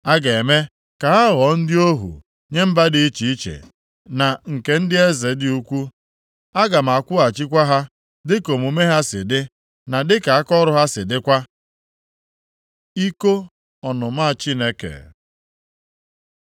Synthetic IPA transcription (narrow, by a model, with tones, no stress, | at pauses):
a˦ɡe˨e˨me˦ | ka˨ɦa˦ɣɔ˨˦n̩˦dɪ˦o˦ɦṵ˨ | ɲe˦m̩˦ba˦dɪ˦i˦t͡ʃi˨i˦t͡ʃḛ˨ | na˨ŋ̩˨ke˨n̩˦dɪ˦e˦ze˨˦dɪ˦u˦kʷu˦ | a˦ɡa˨m̩˨a˨kʷʊ˦a˨t͡ʃi˦kʷa˦ɦa˦ | dɪ˦ko˨mu˨me˦ɦa˦sɪ̰˨dɪ˦ | na˨dɪ˦ka˨a˦kɔ˦ɾʊ˦ɦa˦sɪ˨dɪ˦kʷa˦ | i˦ko˦ | ɔ˨nʊ˨ma˦˨t͡ʃi˦ne˦kḛ˨